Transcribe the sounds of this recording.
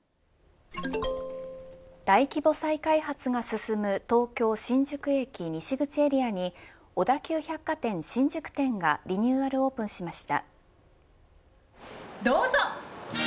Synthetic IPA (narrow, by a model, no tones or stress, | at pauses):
d̪̥aikʲibo̞saikaihat͡sɨɡasɨsɨmɯ̟t̪o̞ːkʲo̞ːɕĩɲd͡ʑɨkɯ̟e̞kʲiɲ̟iɕiɡɯ̟t͡ɕieɾʲiaɲ̟i | o̞d̪akʲɨːçʲakːat̪ẽ̞ɰ̃ɕĩɲ̟d͡ʑɨkɯ̟̥t̪ẽ̞ŋɡa̰ɾʲiɲ̟ʲɨːaɾɯ̟o̞ːpɯ̟̃ɰ̃ɕimaɕi̥t̪a̰ | d̪oːzo